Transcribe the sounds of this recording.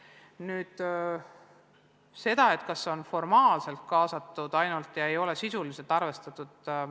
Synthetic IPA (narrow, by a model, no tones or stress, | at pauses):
nyːd̪̥ | se̞d̪̥ɑe̞t̪ˑkɑsːo̞nfo̞rmɑːlse̞lt̪̚kɑːsɑt̪ːˑud̪̥ɑjnult̪jɑe̞jo̞le̞sisulise̞lt̪ːɑrve̞st̪ɑt̪ːˑud̪̥